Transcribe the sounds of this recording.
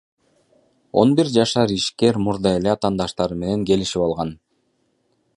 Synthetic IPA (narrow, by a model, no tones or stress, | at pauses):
o̞̰nbiɾd͡ʒɑʃɑɾiʃke̞ɾmuɾd̪ɑe̞leɑt̪ɑːnd̪ɑʃt̪ɑɾɯme̞ne̞ŋke̞liʃipɑlˠʁɑn